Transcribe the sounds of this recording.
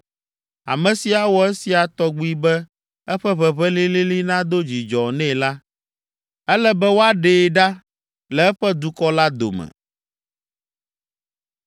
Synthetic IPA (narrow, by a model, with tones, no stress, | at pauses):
a̰˨mɛ̃˨si˨a˨wɔ˨ɛ˦si˨a˨t̪ɔ˦ɡ͡bu˦i˦bɛ˦ | ɛ˦ɸɛ˦βɛ˨βɛ˦li˦li˦li˦nã˦d̪o˦d͡ʑi˨d͡ʒɔ˨nɛ̃˦˨la˦ | ɛ˦lɛ˦bɛ˦wo˦a˦ɖe˨ɖa˦ | lɛ˨ɛ˦ɸɛ˦d̪u˨kɔ˦la˦d̪o̰˨mɛ̰̃˨